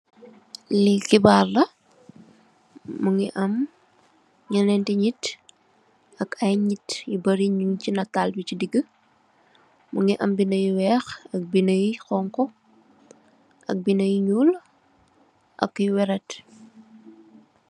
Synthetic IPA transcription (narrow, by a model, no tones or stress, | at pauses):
likibaːrlɐ | muŋiʔɐm | ɲɐnɛntɛɲit | ɐkɐjɲitjibɐɾiɲuŋcinɐtːalbicidiɡə | muŋiʔɐmbinɐjiwɛxɐk̚binəjixɔŋkɔ | ʔɐ̰k̚binɐjiɲul | ʔɐ̰kːujwɛɾɛt